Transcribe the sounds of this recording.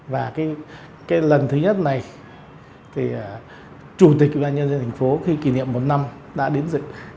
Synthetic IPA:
vaː˨˩kaː˨˦j | kaː˨˦jlə˨˩nt̪ʰɨ˨˦ɲə˦˥t̚na˨˩j | t̪ʰi˨˩˨ | t͡ɕu˧˩t̪̬i˨˩wḭ˧˨˩ɓaː˧nɲə˧nzə˧nt̪ʰa˨˩ŋ̟fo˨˦xi˧ki˧˩nḭ˧˨əmːo˨˩t̚na˧m | ɗa̰ː˧˥ɗi˨˦ənzɨ̰˧˨

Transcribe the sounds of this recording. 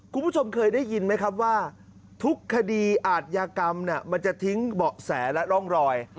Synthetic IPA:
kʰu˧npʰu˥˩o˧mkʰɤː˧jda˥˩ji˧nma˦˥jkʰa˦˥p̬̚waː˥˩ | t̪ʰu˦˥kʰːa˧diː˧ʔaː˨˩t̪̚jaː˧ka˧mni˥˩ɐma˧nt͡ɕa˨˩ʔt̪ʰi˦˥ŋbɔ˨˩ʔsɛː˩˦lɛ˦˥ɾɔ˥˩ŋɾɔː˧j

